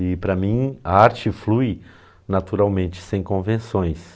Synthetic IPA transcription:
ɪpɾɐmĩaaɾt͡ʃɪfluj | nat̪uɾawmẽnt͡ʃɪ̥sẽj̃kõvẽsõj̃s

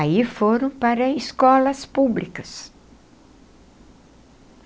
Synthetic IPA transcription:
aifoɾɐ̃w̃paɾɐiskɔlɐspublikɐs

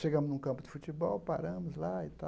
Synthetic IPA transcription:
ʃeɡɐ̃mʊznũkɐ̃pʊd̪ɪfut͡ʃibɔwpaɾɐ̃mʊzlaɪt̪a

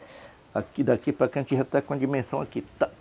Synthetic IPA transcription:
akid̪akipakãnt͡ʃiɦat̪akʷãnd͡ʒimẽsõakit̪aʔ

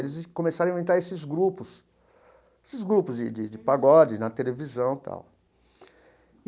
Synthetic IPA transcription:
lɪzkõmesaɾɐ̃ẽnt̪aɾesɪzɡɾupʊs | esɪzɡɾupʊzd͡ʒɪd͡ʒɪd͡ʒɪpaɡɔd͡ʒɪnɐt̪elevizɐ̃w̃t̪ʰa̰w

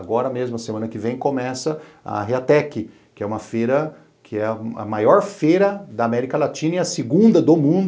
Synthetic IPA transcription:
aɡɔɾɐmezmʊɐsemɐ̃nɐkɪvẽj̃kõmɛsɐɐ̰ɦeat̪ɛkɪ | kɪɛũmɐfejɾɐ | kʰɪɛɐ̰majɔɾfejɾɐd̪ɐamɛɾikɐlat͡ʃĩnɐiɐsɪɡũnd̪ɐd̪omũd̪

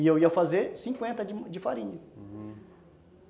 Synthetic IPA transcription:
iewiɐfazeɾsĩkwẽnt̪ɐd͡ʒɪd͡ʒɪfaɾĩɲɐ

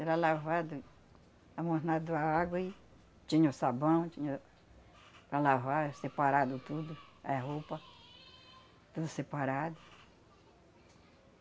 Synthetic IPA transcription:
ɛɾalavad̪ʊ | amohnad̪ʊaaɡwɐi | t͡ʃĩɲɐʊsabɐ̃w̃t͡ʃĩɲɐ | pɾalavaɾsepaɾad̪ʊt̪ud̪ʊaɦowpɐ | t̪ud̪ʊsepaɾad̪ʊ

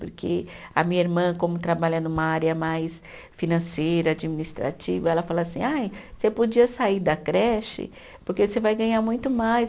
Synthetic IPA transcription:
poɾkʰeɐ̰mĩɲɐiɾmɐ̃kõmʊt̪ɾabaʎɐnũmɐaɾɪɐmajs | finɐ̃sejɾɐad͡ʒiminist̪ɾa̰t͡ʃivɐɛlɐfalɐasĩajsepod͡ʒiɐsaiɾd̪ɐkɾɛʃɪ̰ | poɾkesevajɡɐ̃ɲamũj̃t̪ʊmaj

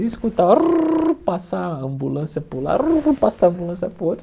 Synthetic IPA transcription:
iskut̪arpasaɐ̃mbulɐ̃sjɐpula̰pasaɐ̃mbulɐ̃sjɐpot͡ʃ

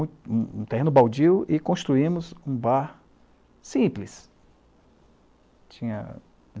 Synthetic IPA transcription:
ũt̪ehẽnʊbawd͡ʒiwɪkõst̪ɾuĩmʊzũbaɾ | sĩplɪs | t͡ʃĩɲɐ̰

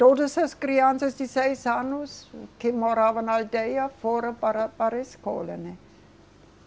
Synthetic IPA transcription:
t̪odəslaskɾiansɐsdisɛjsanuskemoɾaːvanaldɛjafoɾɐpaɾɐpaɾesko̰ːlene

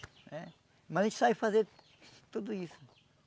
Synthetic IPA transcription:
ɛ | mɐzẽt͡ʃsabfazeɾ | t̪ud̪uisu̥

